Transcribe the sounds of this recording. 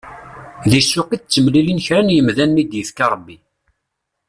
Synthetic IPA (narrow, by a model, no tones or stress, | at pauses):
ðisʊqit͡sːəmlilinçɾænjəmðænːid̪jəfkɑɾˤəbːi